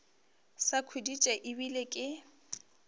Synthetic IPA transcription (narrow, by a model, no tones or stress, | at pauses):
sakʰwedit͡ʃʼaʔibilekʼɪ